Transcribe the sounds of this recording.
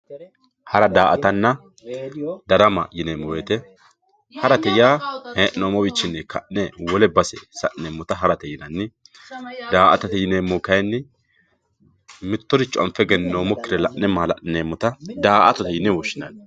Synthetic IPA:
hɐɾɐd̪aːʔɐt̪ɐnːɐ | d̪ɐɾɐmɐ̰jɪneːmːɔwet̪ɛ | hɐɾɐt̪ɛjaːheːʔɪnoːmɔwɪt͡ʃːɪnːɛkɐ̰ʔnɛwɔlɛbɐsɛsɐʔneːmːɔt̪ɐɦɐɾɐt̪ɛjɪnɐnːɪ | d̪aːʔɐ̰t̪ɐt̪ɛjɪneːmːɔkɐjnːɪ | mɪt̪ːɔɾɪt͡ʃʼɔmfɛɡɛnnoːmɔkːɪɾɛlɐʔnɛmaːlɐʔɪneːmːɔt̪ɐd̪aːʔɐ̰t̪ɔt̪ɛjɪnɛwɔʃːɪnɐn

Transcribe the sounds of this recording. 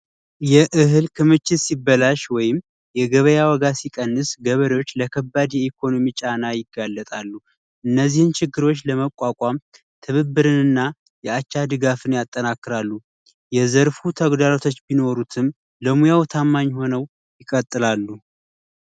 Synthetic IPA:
jɛʔɨɦɨlkʰɨmɨt͡ʃːɪsibːəlaʃwɔjɪm | jɛɡəβəjawɔɡasikʼənːɨsɡəβəɾewo̞t͡ʃːləkʰəbːad̪jɛikʰo̞nomit͡ʃʼanajɪɡːalːət̪ʼalːu | ʔɨnːəzːihɨnt͡ʃʰɪɡːɨɾo̞t͡ʃːləməkʷʼakʼam | t̪ʰɨβɨbːɨɾɨnɨnːa | jɛat͡ʃːad̪ɨɡafɨnjat̪ʼːənakːɨɾalːu | jɛzəɾfut̪ʰəɡd̪alot̪ʰo̞t͡ʃːbino̞ɾut̪ʰɨm | ləmujawt̪ʰamːaɲːho̞nəw | jɪkʼət̪ʼːɨlalːu

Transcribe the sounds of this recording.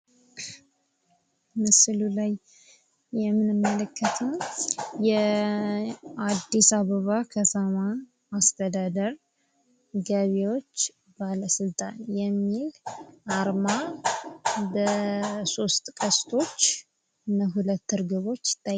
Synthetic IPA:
mɨsɨlulaj | jɛmːɨnɨmːələkʰːət̪ʰəwjɛ | ad̪ːisaβəβakʰət̪ʰəma | ast̪ʰəd̪ad̪əɾ | ɡəβewo̞t͡ʃː | baləsɨlt̪ʼanjɛmːilʔaɾma | bəso̞st̪ʼkʼəst̪ʰo̞t͡ʃː | ɨnːəɦulət̪ːɨɾɡɨβo̞t͡ʃːt̪ʰːa

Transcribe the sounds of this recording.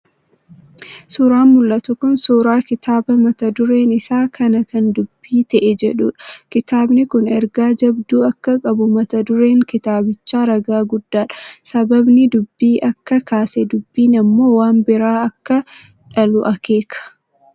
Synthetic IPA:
suɾaːnmʊlːɐt̪ʊkʊnsuːɾaːkɪt̪aːbɐmɐt̪ɐd̪ʊɾe̞ːnɪsaːkʰɐnɐkɐnd̪ʊbːiːt̪ɐʔɛd͡ʒɛᶑṵːᶑɐ̥kɪt̪aːbnɪkʊnɛɾɡaːd͡ʒɐbd̪uːɐkːɐkʼɐbʊmɐt̪ɐd̪ʊɾe̞ːŋkɪt̪aːbɪt͡ʃːaːɾɐɡaːɡʊd̪ːaːᶑɐ̥sɐbɐbnɪd̪ʊbːiːʔɐkːɐkaːsɛd̪ʊbːiːnɐmːo̞ːwaːnbɪɾaːɐkːɐ | ᶑɐlʊʔɐkeːkʰɐ̥

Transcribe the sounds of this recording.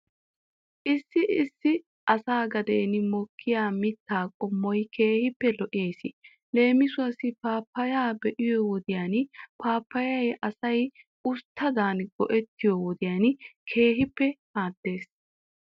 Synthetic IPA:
ʔɪsːɪɪsːɪ | ʔɐsaːɡɐd̪eːnɪmɔkʰːɪjaːmɪt̪ːaːkʼɔmːɔjkʰe̞ːhɪpːɛlɔʔeːsɪ | le̞ːmɪsʊwɐsɪpaːpːɐjaːbɛʔɪjɔwɔd̪ɪjaːnpaːpːɐjɐjʔɐsɐj | ʊst̪ʰːɐd̪aːnɡ̥ɔʔɛt̪ːɪjɔwɔd̪ɪjaːnkʰe̞ːɦɪpːɛhaːd̪̥ːe̞ːs

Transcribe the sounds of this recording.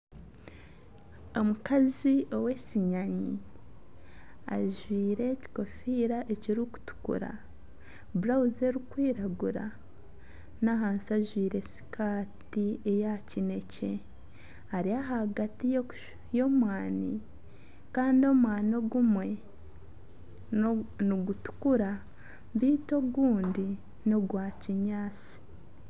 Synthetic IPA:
o̞mukazio̞we̞siɲaɲi | a̰ʒwiːɾe̞ci̥ko̞fiɾaʔe̞ciɾiku̥tu̥kṵɾa̰ | buɾauze̞ɾikwiːɾaɡuɾa̰ | naɦaːnsiaʒwiːɾe̞si̥kʰaːt | iejacine̞ce̞ | aɾiaɦaɡatijo | jo̞mwaːnḭ | kaːndio̞mwaːnoɡumwe̞ | niɡutu̥kuɾa | βiːto̞ɡuːndi | no̞ɡwaːciɲaːt͡si̥

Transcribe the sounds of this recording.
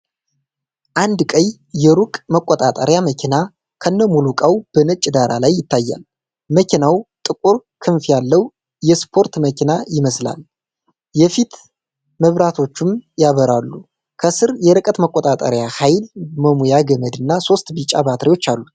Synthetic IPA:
ʔand̪kʼəɲ | jɛɾukʼməkʷʼːɔt̪ʼat̪ʼə̰ɾjaməkʲʰina | kʰənːəmulukʼawb̥ənət͡ʃʼːɪd̪aɾalajːɪt̪ʰːajːa̰l | məkʲʰinawt̪ʼɨkʼuɾkʰɨɱfjalːəw | jɛspʰo̞ɾt̪məkinajɪməsla̰l | jɛfit̪ | məβɾat̪ʰo̞t͡ʃːumjaβəɾalːu | kʰəsɨɾjɛɾɨkʼət̪məkʼːot̪ʼat̪ʼə̰ɾjahajlməmujaɡəməd̪ɨnːaso̞st̪bit͡ʃʼːabat̪ʰɾiwo̞t͡ʃːalːut̪

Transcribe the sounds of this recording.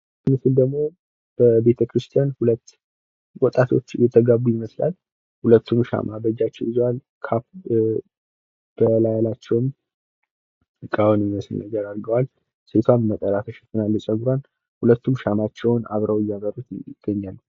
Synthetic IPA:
mɨsɨld̪əɡmo̞ | b̥əbe̞t̪ʰəkʰɾɨst̪ʰijanhulət̪ː | wɔt̪ʼːat̪ʰo̞̰t͡ʃːjɛt̪ʰːəɡabujɪməsla̰l | hulət̪ːumʃa̰mʔabəd͡ʒat͡ʃːɛwizowal | kʰap | b̥əlajalat͡ʃːɛwm | ɨkʼawnmməsɨlnəɡəɾaɾɡəwal | se̞t̪ʰwammət̪ʼəɾat̪ʰəʃɛ̥t̪ʰːənalːɨt͡ʃʼəɡɾan | hulət̪ʰːumʃamat͡ʃːɛwna̰βɾʔawjaɡəɾot̪njɪ̰ɡ̥ːəɲːalː

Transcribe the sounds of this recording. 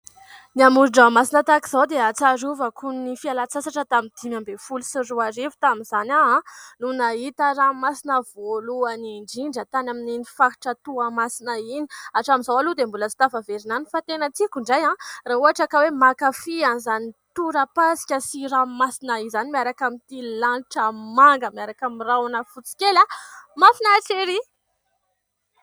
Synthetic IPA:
niamuɾɖ͡ʐamasinət̪aki̥z̥awd̪eat͡saɾuvəkʰunnifialat͡sasaʈ͡ʂət̪amind̪̥imambefulusiruarefu̥t̪amiz̥anaãnunait̪əɾamasinəvoluaniɳɖ͡ʐiɳɖ͡ʐət̪anamininifaki̥ʈ͡ʂət̪uamasinainiaʈ͡ʂamizawalud̪embulət͡si̥t̪afaveɾinanifat̪enət͡sikʲuɳɖ͡ʐajãraɦuɦaʈ͡ʂakawemakafianzanit̪uɾəpasi̥kʲəsiɾamasinaizanimiaɾakamit̪ilanʈ͡ʂəmaŋɡəmiaɾakamirawanəfut͡si̥kʲelamafinaʈ͡ʂeɾi

